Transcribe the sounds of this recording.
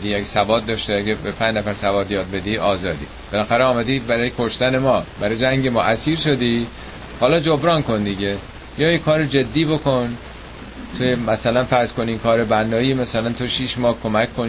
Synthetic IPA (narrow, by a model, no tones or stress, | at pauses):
d̪iːjeksævɒːt̪̚d̪ɒːʃt̪eæɡæbepʰænd͡ʒnæfæɾsævɒːt̪jɒːd̪̚be̞d̪iʔɒːzɒːd̪ḭːb̥elæxæɾeɒːmæd̪iːbæɾɒːjekʰo̞ʃt̪æne̞mɒːbæɾɒːjd͡ʒæŋɟemɒːʔæsiːɾʃod̪iː | hɒːlɒːd͡ʒobɾɒːnkʰo̞nd̪iɟe | jɒːjekʰɒːɾed͡ʒe̞d̪ːiːbo̞kʰo̞n | t̪ʰojemæsælænfæɾzkʰo̞niːkʰɒːɾebænːɒːimæsælænt̪ʰoʃiːʃmɒːhkʰo̞mækʰːon